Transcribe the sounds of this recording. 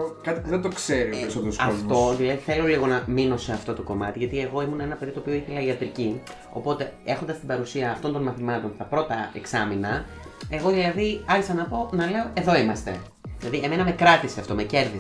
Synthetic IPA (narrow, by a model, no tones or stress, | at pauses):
okɐt̪i̥puðent̪o̞kse̞ɾipeɾisot̪eɾosɐot̪o̞ðilɐðiθe̞lo̞liɣo̞nɐmino̞se̞ɐft̪o̞t̪o̞ko̞mɐt̪iʝɐt̪ie̞ɣo̞imunɐe̞nɐpe̞ðit̪opioiθelɐiɐt̪ɾici | o̞̰po̞t̪e̞e̞xo̞nd̪ɐst̪ibɐɾusiɐːft̪o̞nd̪o̞nmɐθimɐt̪o̞nt̪ɐpɾo̞t̪ɐeksɐminɐ | e̞ɣo̞ðilɐðiɐçisɐnɐpo̞nɐle̞o̞e̞ðo̞imɐst̪e̞ | ðilɐðieme̞nɐme̞kɾɐt̪iseɐft̪o̞mece̞ɾði